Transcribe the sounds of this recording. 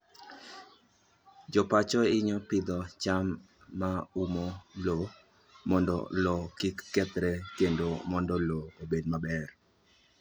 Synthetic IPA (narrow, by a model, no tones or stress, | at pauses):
d͡ʒɔpat͡ʃɔɪɲɔpɪd̪ɔt͡ʃamː | aumɔlo | mɔndɔ̰lɔkikːɛt̪ɾɛkendomɔndɔloobedmabɛr